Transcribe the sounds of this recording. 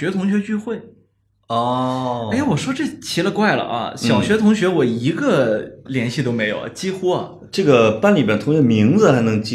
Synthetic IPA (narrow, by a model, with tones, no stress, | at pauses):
ɥɛ˧˥t̪ʰʊ˧˥ŋɕɥɛ˧˥t͡ɕy˥˧xwe˥˩ɪ | ɔ˥e˥˩ɪwɔ˨˩ʂwɔ˥ʈ͡ʂɤ˥˩t͡ɕʰi˧˥lə˧kwa˥˩ɪlə̰˩ʔɐ̰˧˩ɕjɑ˨˩ʊɕɥɛ˧˥t̪ʰʊ˧˥ŋɕɥɛ˧˥wɔ˨˩i˧˥ɡə˧ljɛ˧˥nɕi˥˩t̪o˥ʊme˧˥ɪjo˨˩ʊ̰˨˩t͡ɕi˥xu˥ɐ˨ | ʈ͡ʂɤ˥˩ɡə˩pa˥nli˨˩mjɛ˥˩nt̪ʰʊ˧˥ŋ˥ə˩mi˧˥ŋd͡zɹ̩˧xa˧˥ɪnɤ˧˥ŋt͡ɕi˥